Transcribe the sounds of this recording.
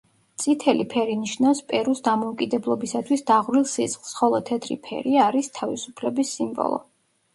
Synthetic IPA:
t̪sʼʰit̪ʰɛlipʰɛɾiniʃnafspʼɛɾusd̪amɔukʼid̪ɛblˠɔbisat̪ʰwisd̪aʁɾilˠsisχlˠsχɔlˠɔt̪ʰɛt̪ʰɾḭpʰɛ̰ɾiaɾist̪ʰavisupʰlɛbisimbɔ̰lˠɔ̰

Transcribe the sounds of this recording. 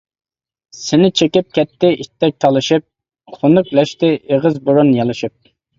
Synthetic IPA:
sɪnɪt͡ʃʰekʲip̚kʲʰɛt̪ːɪʔit̪ʰːɛk̚ʲt̪ʰɑlˠɨʃɨp̚ | χonʊklɛʃt̪ɪeʁəzbuɾunjɑlˠɨʃɨp̚

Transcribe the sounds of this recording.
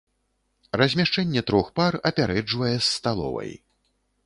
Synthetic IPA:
rɐzʲmʲaʂt͡ʂɛnʲːɛt̪ɾɔxparɐpʲaɾɛd͡ʐvɐjɛsːt̪alˠɔ̰vɐ̰j

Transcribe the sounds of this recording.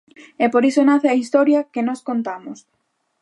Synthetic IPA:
epoɾisonaθeɐist̪ɔɾjɐkenɔskont̪amʊs

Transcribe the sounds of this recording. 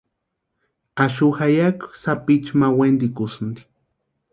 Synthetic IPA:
aʃuxajaksapit͡ʃmawend̪ikusnd̪i̥

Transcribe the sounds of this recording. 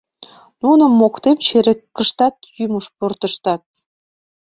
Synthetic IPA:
nunə̆mːokt̪emt͡ɕeɾekːəʃt̪ɑt̪̚jyməʃport̪əʃt̪ɑt̪̚

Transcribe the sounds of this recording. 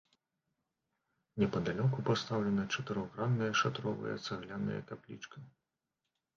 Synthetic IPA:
nʲɛpɐd̪alʲɔkupast̪awlʲɛnɐt͡ʂɐt̪ɨɾɔɣɾanːɨjɐʂat̪ɾɔvɨ̰jɐ̰t̪saɣlʲanɨ̰jɐ̰kaplʲḭt͡ʂkʰɐ

